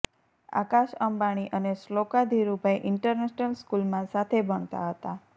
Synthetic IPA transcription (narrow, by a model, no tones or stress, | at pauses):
a̰kaʃəmbaɽ̃iʔəneslokad̪ʱiɾubʱajʔɪɳʈəɾneʃnəlskulmãsat̪ʰebəɳ̃t̪a̰ɦət̪a